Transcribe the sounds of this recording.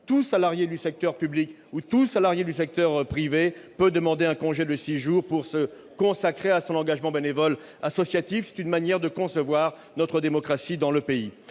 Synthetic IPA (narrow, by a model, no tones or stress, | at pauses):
t̪usalaʁjed̪ysɛk̚t̪œʁpyblik | ut̪usalaʁjed̪ysɛk̚t̪œʁpχivepød̪əmɑ̃d̪eɛ̃kɔ̃ʒed̪əsiʒuʁpuʁsə | kɔ̃sakχeasɔ̃nɑ̃ɡaʒmɑ̃benevɔl | asɔsjat̪ifsɛ̥t̪ynmanjɛʁd̪əkɔ̃səvwaʁ | nɔt̪χəd̪emɔkχasid̪ɑ̃ləpei